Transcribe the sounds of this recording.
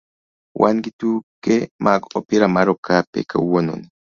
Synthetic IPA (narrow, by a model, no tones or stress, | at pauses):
wʔanɡit̪ukemʔakopiɾamaɾokʰapḛkauwono̰ni